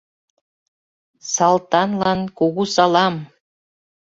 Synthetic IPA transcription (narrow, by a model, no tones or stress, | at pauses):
sɑlˠt̪ɑnlˠɑnkoɣusɑlˠɑm